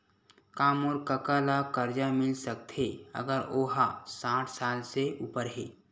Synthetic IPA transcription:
kaːmoɾkəkaːlakəɾd͡ʒamɪlsək̚t̪ʰeə̰ɡəɾoːɦasãːʈʰsaːlseʔuːpəɾɦeː

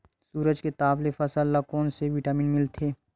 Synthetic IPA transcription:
suːɾəd͡ʒket̪aːʋlefɐsəlːakɔːnseʋiʈaːmiːnmɪlt̪ʰeː

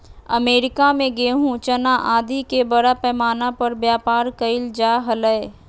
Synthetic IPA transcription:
əmeːɾɪkamẽɡeːɦũt͡ʃɐnaʔaːd̪ikebɐɽapɛːmaːnapɐɾbjaːpaːɾkəɪld͡ʒaːɦɐləe

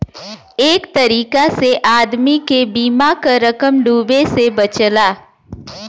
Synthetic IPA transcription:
eːkt̪ɐɾiːkaseʔaːd̪mikebiːmakaɾɐkəmɖuːbesebɐt͡ʃlaː

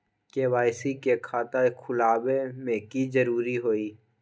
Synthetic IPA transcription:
keːwaːɪsikekʰaːt̪akʰʊlaːbemẽkizəɾuːɾiɦoːiː

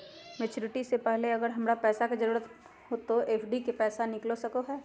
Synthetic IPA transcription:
meːt͡ʃuːɾɪʈisepɛɦleɐɡəɾɦɐmɾapɛːsakezɐɾuːɾət̪ | ɦot̪oeːpʰɖikepɛːsanɪklosɐkoɦɛː

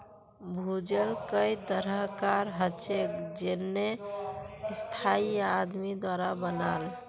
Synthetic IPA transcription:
bʱud͡ʒəlkəjt̪əɾəɦkaɾɦət͡ʃekd͡ʒenːe | st̪ʰaiad̪mid̪waɾabənal

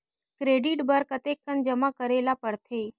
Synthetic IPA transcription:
kɾeɖiʈbəɾkət̪ekːənd͡ʒəmakəɾelapəɾt̪ʰe

